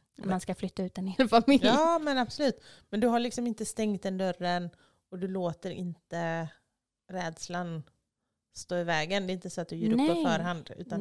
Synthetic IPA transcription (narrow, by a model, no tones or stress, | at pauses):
manskaflʏt̪ːaʉ̟ːt̪ɛnheːlfamɪljɑːmɛnab̥sɔlʉ̟ːt̪mɛnd̪ɵɦaɭɪksɔmɪnt̪əst̪ɛŋt̪̚d̪ɛnd̪œɾːən | ɔd̪ɵloːt̪əɾɪ̰nt̪ə | ɾɛːd̪slan | st̪oːɪvɛːɡənd̪ɛːɪnt̪əsɔat̪̚d̪ɵjœːɾɵːɔfœːɾɦand̪ʉ̟̰ːt̪an